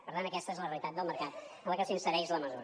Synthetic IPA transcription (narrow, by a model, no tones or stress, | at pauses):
pəɾt̪anəkɛst̪əezləreəlˠit̪at̪̚d̪əlˠməɾkat̪ | ənləkəsinsəɾɛzləməzuɾ